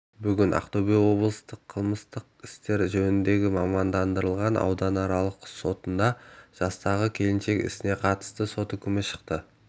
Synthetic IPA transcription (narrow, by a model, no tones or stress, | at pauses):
bʏɡʲɪnʔɑ̰qt̪obijwo̞blˠəst̪əqʰəlˠməst̪əqɪst̪e̞ɾʒɵnɪnd̪e̞ɡʲɪmɑmɑnd̪ɑnd̪əɾəlˠʁɑnɑ̰wd̪ɑnɑɾɑlˠəqso̞t̪ənd̪ɑʒ̥ɑst̪ɑʁəkʲʰe̞lɪnʃe̞kʲɪ̰sɪne̞qʰɑt̪ə̥st̪əso̞t̪ʏkʲʰɪmɪʃə̥qt̪ə